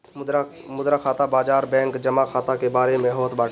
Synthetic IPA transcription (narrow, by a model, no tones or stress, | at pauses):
mʊd̪ɾakʰaːt̪abaːd͡ʒaːɾbɛ̃ːŋkd͡ʒəmaxʰaːt̪akebaːɾemẽɦoːt̪baː